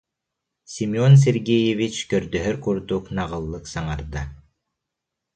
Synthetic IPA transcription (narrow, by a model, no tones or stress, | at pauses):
sʲimʲiɔns̬eɾɡɛjevit͡ʃkœɾd̪œɦœɾkuɾd̪uknaʁɯlˠːɯksaŋaɾd̪a